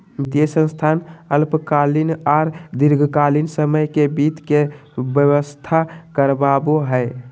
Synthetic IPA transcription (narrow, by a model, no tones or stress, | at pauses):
d̪esə̃nst̪ʰanəlpkalinaɾd̪iɾɡʱəkalinsəməjkebit̪kebjəwəst̪ʰakəɾbaboɦəɪ